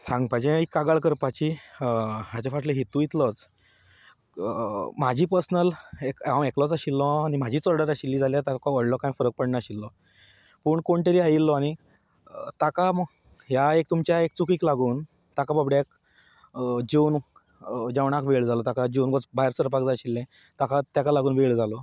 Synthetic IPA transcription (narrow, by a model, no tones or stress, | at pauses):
sãŋɡpajd͡ʑẽikːaɡaɭkəɾpat͡ɕi | ɦjat͡ɕafaʈləɦit̪ujit̪lɔt͡s | m̤ad͡ʑʱiːpəɾsnəlekãmeklɔt͡saɕilːɔ̃añim̤ad͡ʑʱiːt͡sɔɾɖəɾaɕilːiːd͡zʱaljat̪akɔʋəɽlɔkãjfəɾək̚pəɽɳaɕilːɔ | pəːɳkoɳt̪eɾiːajilːɔaɽ̃i | t̪akam | ɦjaek̚t̪umt͡ɕjaek̚t͡sukiːklaɡuːn | t̪akabəbɽjak | d͡ʑewn | d͡ʑaʋɳakʋeɭd͡zʱalɔt̪akad͡ʑewnɡɔt͡sbaeɾsəɾpakd͡zaɕilːɛ̃ | t̪akat̪jakalaɡuːnʋeɭd͡zalɔ